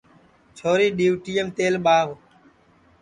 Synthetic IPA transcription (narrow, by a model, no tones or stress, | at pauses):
t͡ʃʰoːɾiːɗiːʋʈiːəmt̪eːlɓaːʋ